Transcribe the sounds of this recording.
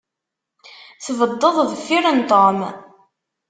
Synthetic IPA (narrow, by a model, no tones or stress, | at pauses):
θvəd̪ˤːəðˤvəfːiɾənt̪om